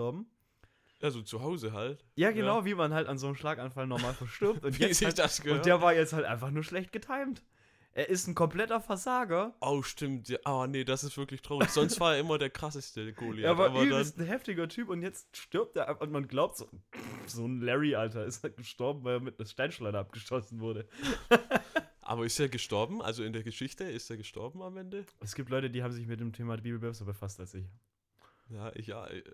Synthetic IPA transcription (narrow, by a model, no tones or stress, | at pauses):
ɔɐbm̩ | jaːzoːt͡suɦaʊzəɦalt | jaːɡənaʊviːmanhaltanzoːnəmʃlaːkanfalnɔʁmaːlfɛɐʃtʏɐptʔʊntvjzɪd̥asɡ̥əʊnnd̥eːɐvaːɐjɛt͡sthaltʔa̰ɪnfaχnuːɐʃlɛçt̚ɡ̥ətʰaɪmt | ʔeːɐʔɪstn̩kʰɔmpl̥ɛtɐfɛɐzaːɡɐʔaʊʃtɪmtjaːʔaːnədasɪstv̥ɪɐklɪçtʁ̥aʊçz̥ɔnstv̥aːɐeːɐʔɪmɐdeːɐkʁ̥asəstəɡ̥oːliaːvaabɐdansn̩ɦɛftɪɡɐtʰyːpʊntjɛt͡stʃtʏɐp̚teːʔafʊnmanɡlaʊp̚tz̥oːzoːnlɛʁiʔaltɐɪstaɡ̥əʃtɔɐbm̩vaɪleːɐmɪtnaʃtaɪnʃlaɪnəʔap̚ɡ̥əʃtɔsn̩vʊɐɾə | ʔa̰ːbɐɪsteːɐɡəʃtɔɐbm̩ʔa̰lzoɪndeːɐɡəʃɪçtəɪsteːɐɡəʃtɔ̰ɐbm̩amʔɛndəʔɛsɡ̥iːptlɔʏtədiːhabm̩zɪçmɪt̚d̥eːmtʰeːmabiːbl̩bɛsɐbəfastalsɪç | jaːʔɪ̰ça̰